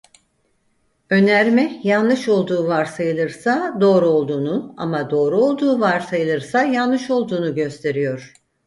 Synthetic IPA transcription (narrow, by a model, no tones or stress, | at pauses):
ø̞næɾmɛjanˠɯʃo̞lˠd̪uːvaɾsajɯlˠɯɾsad̪o̞ːɾuo̞lˠd̪uːnua̰mad̪o̞ːɾuo̞lˠd̪uːvaɾsajɯlˠɯɾsajanlɯʃo̞lˠd̪uːnuɟø̞st̪ʰe̞ɾijo̞ɾ̝̥